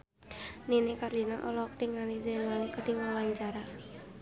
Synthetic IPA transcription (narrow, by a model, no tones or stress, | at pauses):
ninekarlinaʔɔlɔk̚t̪iŋalizanwalekəd̥iŋwawaɲt͡ʃaɾa